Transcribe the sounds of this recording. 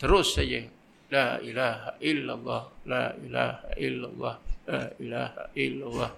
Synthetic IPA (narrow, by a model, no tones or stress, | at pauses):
t̪əɾʊsad͡ʒə | laʔilaɦaʔɪlːalˤːɑhlaʔila̰ha̰ʔɪlːa̰lˤːɑhlailaha̰ʔɪlːalˤːɑh